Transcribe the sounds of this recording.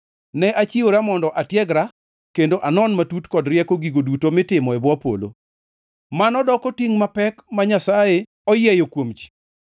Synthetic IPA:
nɛʔat͡ʃioɾamɔndɔʔatjɛɡɾa | kendoʔanɔnmatutkɔdɾjɛkoɡiɡodutomɪtɪmɔɛbwɔpo̰lo̰ | manɔdɔkɔtiŋmapɛkmaɲasaje | ɔjɛjokwomt͡ʃi̥

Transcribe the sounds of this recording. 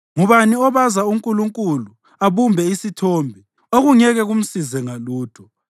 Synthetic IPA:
ŋuβaniɔβazauŋkʼuluŋkʼulu | aβumbʱɛisitʰoːmbʱi | oɣuŋɛɣɛɣum̩sizɛŋaluːd̥ʱɔ

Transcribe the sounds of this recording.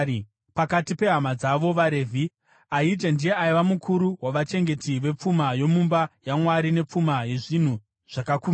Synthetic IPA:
pakatipe̞ɦamad͡zaʋo̞ʋaɾe̞vʱi | aid͡ʒendije̞aiʋamukʰuɾuwaʋat͡ʃe̞ŋɡe̞tiʋe̞p͡fumajo̞mumbajamwaɾine̞p͡fumaje̞ʐin̤u | ʐ̥akakuːma

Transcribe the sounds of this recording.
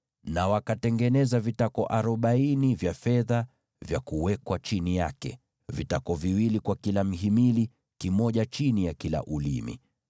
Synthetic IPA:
nawakatɛŋɡɛnɛzavitakɔʔaɾɔɓainivjafɛða | vjakuwɛkwat͡ʃinijakɛ̰ | vitakɔviwilikwakilam̩ɦimili | kimɔʄat͡ʃinijakila̰ʔulḭmḭ

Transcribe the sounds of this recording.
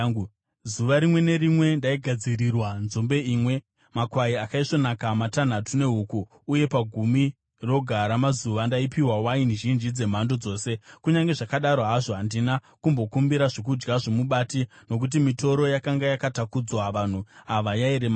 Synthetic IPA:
zuʋaɾimwe̞ne̞ɾimwe̞ndaiɡʱad͡ziɾirwanzombe̞iːmwe̞ | makwaiakaiʂo̞nakamatan̤atune̞ɦukuː | je̞paɡʱumi | ro̞ɡʱaɾamazuʋandaipiwawainiʒind͡ʒid͡ze̞m̤ando̞d͡zo̞ːse̞kuɲaŋɡe̞ʐakaɗaɾo̞ɦaʐo̞ɦandina | kumbo̞kumbiɾaʐok̬ud͡ʒɡaʐo̞muɓaːtino̞k̬ut̬imito̞ɾo̞jakaŋɡajakatakud͡zwaʋan̤uɦaʋajaiɾem

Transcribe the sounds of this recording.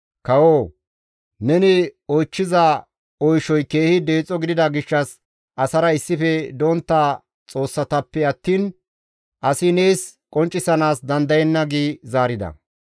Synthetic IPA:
kɐwoː | nɛnɪɔt͡ʃːɪzɐ | ɔjʃɔjke̞ːhɪd̪e̞ːt͡sʼːɔɡɪd̪ɪd̪ɐɡɪʃːɐs | ʔɐsɐɾɐɪsːɪfɛd̪ont̪ːa | t͡sʼo̞ːsːɐt̪ɐpːɛɐt̪ːiːn | ʔɐsɪneːskʼɔnt͡ʃʼːɪsɐnaːsd̪ɐnd̪ɐjɛnːɐɡiːzaːɾɪd̪ɐ̰

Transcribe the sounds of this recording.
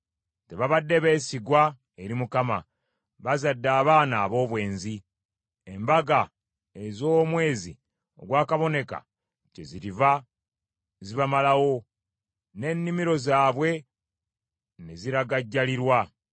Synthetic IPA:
te̞βaβadːe̞βe̞ːsiɡwa | eɾimukama | βazadːaːβaːnaːβo̞ːβwe̞ːnzi | embaɡa | ezomwe̞ːzi | o̞̰ɡwaːkaβo̞ne̞ka̰ | teziɾiva | ziβamalawo̞ | ne̞nːimiɾo̞zaːβwe̞ | neziɾaɡaɟːaliɾwa

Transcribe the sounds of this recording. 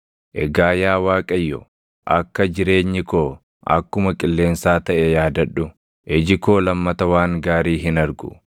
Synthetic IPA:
ʔɛɡaːjaːwaːkʼɐjːɔ̰ | ʔɐkːɐd͡ʒɪɾe̞ːɲːɪkoː | ʔɐ̰kːʊmɐkʼɪlːe̞ːnsaːt̪ɐʔɛjaːd̪ɐᶑʊ | ʔɛd͡ʒɪko̞ːlɐmːɐt̪ɐwaːŋɡaːɾiːɦɪnɐɾɡʊ̰

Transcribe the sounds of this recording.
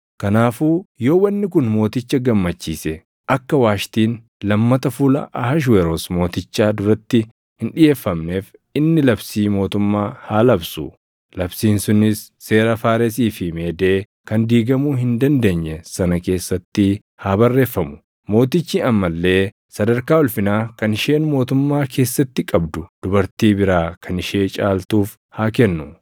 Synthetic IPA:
kɐnaːfuːjo̞ːwɐnːɪk̬ʊnmo̞ːt̪ɪt͡ʃːɐɡɐmːɐt͡ʃːiːsɛ | ʔɐkːɐwaːʃt̪iːn | lɐmːɐt̪ɐfulɐ̰ʔɐhɐʃ̬weɾosmo̞ːt̪ɪt͡ʃːaːd̪ʊɾɐt̪ːɪ | hɪnᶑɪje̞ːfːɐmne̞ːfɪnːɪlɐbsiːmo̞ːt̪ʊmːaːhaːlɐbsʊ̰ | lɐbsiːnsʊnɪsːe̞ːɾɐfaːɾɛs̬iːfɪme̞ːd̪e̞ː | kɐnd̪iːɡɐmuːɦɪnd̪ɐnd̪e̞ːɲːɛsɐnɐke̞ːsːɐt̪ːɪ | haːbɐrːe̞ːfːɐmʊ̥ | mo̞ːt̪ɪt͡ʃːiːɐmːɐlːe̞ː | sɐd̪ɐɾkaːɔlfɪnaːkɐnɪʃe̞ːnmo̞ːt̪ʊmːaːkʰe̞ːsːɐt̪ːɪkʼɐbd̪ʊd̪̥ʊbɐɾt̪iːbɪɾaːkʰɐnɪʃe̞ːt͡ʃʼaːlt̪uːf | haːk̬ɛnːʊ

